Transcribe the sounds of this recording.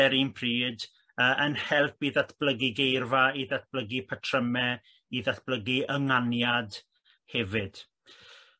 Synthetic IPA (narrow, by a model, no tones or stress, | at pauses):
ɛɾinpʰriːd | əːʔənhɛlˠpiðatʰb̥ləɡiɡejrvaiðat̚b̥ləɡipʰətʰrəmɛ | iðatʰb̥ləɡiəŋanjad | hɛvɪd̥